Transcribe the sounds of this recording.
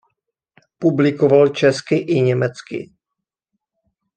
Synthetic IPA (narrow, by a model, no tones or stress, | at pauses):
publɪkovalt͡ʃɛskɪʔɪɲɛmɛt͡skɪ̰